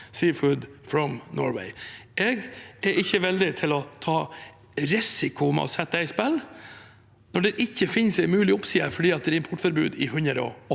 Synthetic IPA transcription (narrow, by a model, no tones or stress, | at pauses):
siːfʉːd̪fɾɔmnɔ̰ːɹwɛ̰ɪʔɛɡɛɾʔɪçːəʋɛld̪ɪt̪ʰɪlɔt̪ʰɑː | ɾɪsɪkʊmɛ̰ʔɔ̰sɛt̪ːəd̪æɪspɛl | nɔɖɛɾʔɪçːəfɪnsɛɪmʉːlɪʊpsiːɑfɔɖiːɑt̪̚d̪ɛæɾɪmpʰɔʈfɔɾbʉ̰ːd̪ɪhʉnəɾɔ̰ɔ